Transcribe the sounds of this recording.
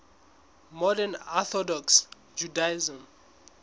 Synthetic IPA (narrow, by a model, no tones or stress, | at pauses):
mɔdɛnaθɔdɔks | d͡ʒudaizɔ̃m